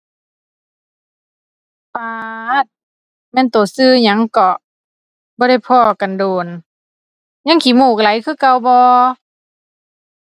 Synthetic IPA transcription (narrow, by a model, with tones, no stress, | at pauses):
paː˧t̪̚ | mɛː˧˥˨nt̪oː˨˩sɯː˧˨ɲa˧˥˦ŋkɔ˧˩ | bɔː˧ɾa˧˩jpʰɔː˧˩ka˨ndoː˨˩n | ɲa˧˥ŋkʰiː˧˦muː˧˩k̚la˨˦jkʰɯː˧˥˨ka˧˨wbɔː˧